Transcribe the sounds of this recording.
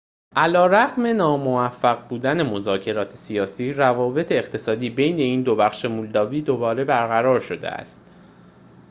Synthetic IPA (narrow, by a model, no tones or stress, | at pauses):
ʔælɒːɾæɣme̞nɒːmo̞væfːæɣbuːd̪ænemo̞zɒːcʰe̞ɾɒːt̪ʰe̥sijɒːsiːɾævɒːbe̞t̪ʰe̞ːχt̪ʰe̞sɒːd̪iːbe̞jne̞iːnd̪o̞bæχʃe̞muːld̪ɒːbiːd̪o̞bɒːɾe̞bæɾɣæɾɒːɾʃo̞d̪ḛæ̰st̪